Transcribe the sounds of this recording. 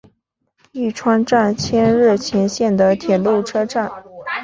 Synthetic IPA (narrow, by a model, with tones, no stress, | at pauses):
i˥˩ʈ͡ʂʰwa˥nʈ͡ʂa˥˩nt͡ɕʰjɛ˥nɻ̩˥˩t͡ɕʰjɛ˧˥nɕjɛ˥˩nd̪ə˩t̪ʰjɛ˨˩lu˥˩ʈ͡ʂʰɤ˥ʈ͡ʂa˥˩n